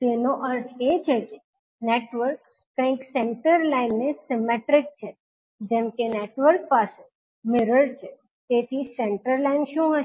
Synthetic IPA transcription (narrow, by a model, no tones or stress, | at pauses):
t̪enoʔəɾt̪ʰet͡ʃʰeke | neːʈʋəɾkː | ə̃ĩksɛ̃ɳʈəɾlaɪnːesɪmeʈɾɪk̚t͡ʃʰe | d͡ʒɛ̃ːmkeneːʈʋəɾk̚paːse | mɪɾəɭt͡ʃʰe | t̪eːt̪ʰisɛ̃ɳʈəɾlaɪnʃũːɦə